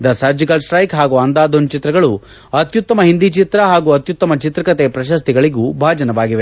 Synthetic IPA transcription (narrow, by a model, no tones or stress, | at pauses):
d̪ɐsɐɾd͡ʒiɡɐlʃɾɐjkɦaːɡuɐnd̪aːd̪ont͡ʃit̪ɾɐɡɐɭu | ɐt̪jut̪ːɐmɐɦind̪it͡ʃit̪ɾɐɦaːɡuɐt̪jut̪ːɐmɐt͡ʃit̪ɾɐkɐt̪epɾɐʃ̬ɐst̪iɡɐɭiɡubʱaːd͡ʒɐnɐʋaːɡiʋe